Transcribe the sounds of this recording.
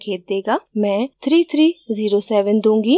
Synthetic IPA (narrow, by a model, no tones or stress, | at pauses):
kʰeːt̪̚d̪eːɡaːmɛ̃ːt̪ʰɾiːt̪ʰɾiːziːɾoːsɛːʋənd̪ũːŋɡiː